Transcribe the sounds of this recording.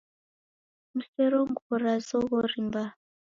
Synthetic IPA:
musɛɾɔŋɡɔɾazɔɣɔɾimba

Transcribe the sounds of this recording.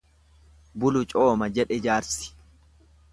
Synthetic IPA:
bʊlʊt͡ʃʼo̞ːmɐd͡ʒɛᶑɛd͡ʒaːɾsɪ̥

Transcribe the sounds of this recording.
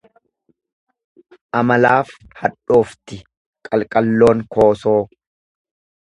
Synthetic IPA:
ʔɐmɐlaːf | hɐᶑo̞ːft̪ɪ | kʼɐlkʼɐlːo̞ːŋko̞ːso̞ː

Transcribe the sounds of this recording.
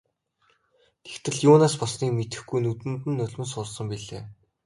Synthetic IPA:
t̪ʰe̥xt̪ʰɘ̆ɮjʊːnaːspɔsniːmet̪ɘ̆xɡujnut̪ɘ̆mt̪ɘ̆nːɵɮʲmɘ̆nsʊːɮsə̆mpiɮeː

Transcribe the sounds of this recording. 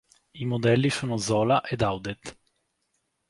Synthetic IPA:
imod̪ɛlːisuːnozɔːlaʔed̪awd̪ɛt̪

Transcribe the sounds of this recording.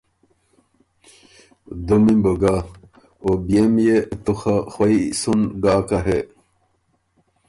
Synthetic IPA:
d̪umimboɡa | obijemjet̪uxaxwɐisunɡaːkɐɦe

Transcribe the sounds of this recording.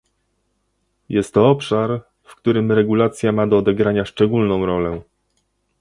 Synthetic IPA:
jɛst̪ːɔɔpʂaɾ | fkt̪uɾɘmɾɛɡulat̪sʲjamad̪ɔːd̪ɛɡɾaɲaʂt͡ʂɛɡulnɔ̃w̃ɾɔlɛ

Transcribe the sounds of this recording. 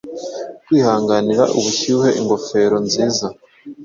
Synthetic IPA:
twiːhaːŋɡaniɾaʔuβuçuhe̞ʔiŋɡo̞fe̞ːɾo̞nziːza

